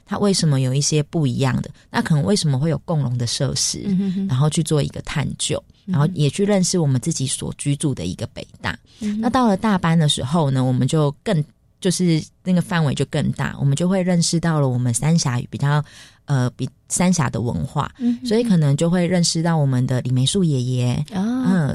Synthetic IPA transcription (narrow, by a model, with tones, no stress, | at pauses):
t̪ʰa̰˦˥wʔe˥˩ɪʂə˧˥nmə˦jo˨˩ʊi˥˩ɕjɛ˦˥pu˥˩i˧˥jɑ̰˥˩ŋd̪ə̰˩na˥kʰə˨˩nə˧˦ŋwe˥˩ɪʂə˧˥nmə˧xwe˥ɪjo˨˩ʊkʊ˥˩ŋɻʊ˧˥ŋd̪ə˨ʂɤ̰˥˧ʂɻ̩̰˦˥ɻa˧˥nxo˥˧ʊt͡ɕʰy˥˧t͡swɔ˥˩ḭ˧˥ɡə˧˨t̪ʰa̰˥˧nt͡ɕjo̰˥˩ʊɻa˧˦nxo˥˩ʊjɛ˨˩t͡ɕʰy˥˧ɻə˥˧nʂɻ̩˥˩wɔ˨˩mə˦nt͡sɹ̩˥˩t͡ɕi˨˦swɔ̰˨˩t͡ɕy˥t͡su˥˩d̪ə̰˨ḭ˧˥ɡ̥ə˨pe˨˩ɪt̪a̰˥˩ | na˥˧t̪ɑ˥˩ʊlə˨t̪a˥˧pa˥nd̪ə˨ʂɻ̩̰˧˥xo˥˧ʊnə˨wɔ˨˩mə˨˦nt͡ɕjo˥˧ʊkə˥˧ŋ | t͡ɕjo˥˧ʊʂɻ̩˥˧na˥˩ɡə˩fa˥˩nwe˧˥ɪt͡ɕjo˥˧ʊkə˥˧ŋt̪a̰˥˩wɔ̰˨˩mə˨˦nt͡ɕjo˥˧xwe˥˧ɪɻə˥˧nʂɻ̩˥˧t̪ɑ˥˩ʊlə˨˩wɔ˨˩mə˦nsa˦nɕja˧˥y̰˨˩pi˨˩t͡ɕjɑ˥˩ʊ | ə˨pi˨˩ | sa˥nɕja̰˧˥d̪ə̰˨wə̰˧˦nxwa̰˥˩swɔ˧˥i˨˥kʰɤ˨˩nə˧˦ŋt͡ɕjo˥˧ʊxwe˥˧ɪɻə˥˧nʂɻ̩˥˧t̪ɑ˥˩ʊwɔ˨˩mə˨nd̪ə˦li˨˩me˧˥ɪʂu˥˩jɛ˨˩jɛ˨˦ə˨˩